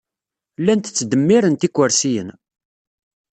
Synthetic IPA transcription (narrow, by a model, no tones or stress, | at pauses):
lːænt̪ə̥t͡sːd̪əmːiɾənt̪ikʷːəɾsijə̰n